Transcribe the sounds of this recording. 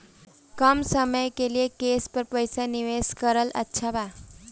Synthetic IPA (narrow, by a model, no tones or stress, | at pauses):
kəmsəməjkeliekespəɾpəjsaniʋeskəɾəlʔə̰tːɕʰaba